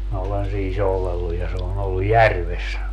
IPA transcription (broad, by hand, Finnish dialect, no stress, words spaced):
minæ olen siː soulelːuj jɑ se on olːu jærʋes